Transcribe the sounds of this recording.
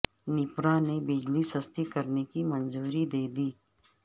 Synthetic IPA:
nɪpɾaːnebɪd͡ʒlisɐst̪ikɐɾnekimɐnzuːɾid̪eːd̪iː

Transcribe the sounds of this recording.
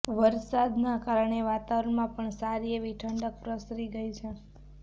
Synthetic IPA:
ʋəɾsad̪nakaɾəɳeʋat̪aʋɾəɳmãpəɳsaɾieʋiʈʰəɳɖək̚pɾəsɾiɡəjt͡ʃʰe

